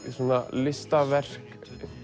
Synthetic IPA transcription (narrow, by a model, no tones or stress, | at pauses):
isɔːnalɪst̪avɛr̥k